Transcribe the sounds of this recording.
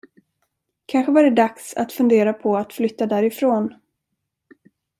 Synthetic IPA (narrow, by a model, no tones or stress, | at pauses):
kʰanɧəvaɖɛd̪aksa̰t̪fɵnd̪eːɾapʰɔat̪flʏt̪ːad̪æːɾɪfɾoːn